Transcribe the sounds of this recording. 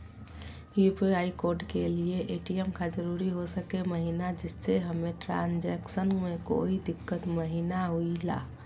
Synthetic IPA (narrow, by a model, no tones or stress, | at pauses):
jupiaikoɾɖkelieʔeʈijɛmkad͡ʒəɾuɾiɦosəkeməɦinad͡ʒɪsːeɦəmeʈɾã̰nd͡ʒɛksənmeko̰id̪ɪkːət̪məɦinaɦuila̰ː